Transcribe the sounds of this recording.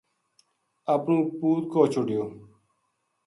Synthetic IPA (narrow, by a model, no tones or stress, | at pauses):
əpnũːpuːt̪̚koːt͡ʃʰʊɖɪjoː